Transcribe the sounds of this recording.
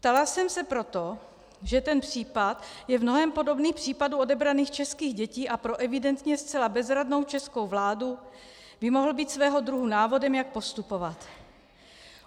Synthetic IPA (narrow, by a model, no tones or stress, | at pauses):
pt̪alasɛmsɛpɾo̞t̪o̞ | ʒɛt̪ɛnpr̥iːpat̪jɛvmno̞ɦɛmpo̞do̞bniːxpr̝̥iːpaduo̞dɛbɾaniːxt͡ʃɛskiːɣɟɛciːʔapɾo̞ʔɛvɪdɛnt̪ɲɛst͡sɛlabɛzɾadno̞wt͡ʃɛsko̞wvlaːdu | bɪmo̞ɦl̩biːt̪svɛːɦo̞d̪ɾuɦunaːvo̞dɛmjak̚po̞st̪upo̞vat̪